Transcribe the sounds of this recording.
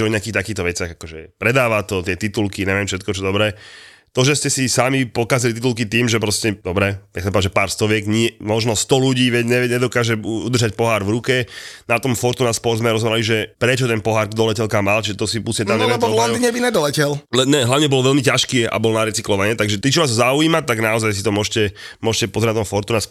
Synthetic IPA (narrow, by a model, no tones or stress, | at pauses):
ɛɔɲɪakiːxt̪akiːxt̪ɔʋɛt͡sɪaɣakɔʒɛpɾɛd̪aːʋat̪ɔt̪ɪɛt̪it̪ulkiɲɛʋɪjɛmfʃɛt̪kɔt͡ʃɔd̪ɔbɾɛː | t̪ɔʒɛscɛsisamipɔkazilit̪it̪ulkit̪iːmʒɛpɾɔscɛd̪ɔbɾɛasapɔaʒɛpaːɾst̪ɔʋɪɛɡɲɪɛmɔʒnɔst̪ɔluɟiːʋɛɟɲɛɲɛd̪ɔkaːʒɛud̪r̩ʒac̚pɔɦaːɾvɾukɛnat̪ɔmfɔɾt̪unaspɔɾzmɛɾɔzɦɔbɾaliʒɛpɾɛt͡ʃɔt̪ɛnpɔɦaːɾd̪ɔlɛcɛlkamaːlt͡ʃiʒɛt̪ɔsipusɲɛt̪amɲɛʋɪɛbɔlɔnd̪iːɲɛbinɛd̪ɔlɛcɛllɛɲɛɦlaʋɲɛbɔlʋɛlmicaʃkiːa̰bɔlnaɾɛt͡siklɔʋaɲɛt̪aɡʒɛt̪it͡ʃiʋaːzzauiːmat̪aɡnaɔzajsit̪ɔmʊɔʃcɛmʊɔʃcɛpɔzɛnat̪ɔmfɔɾt̪unas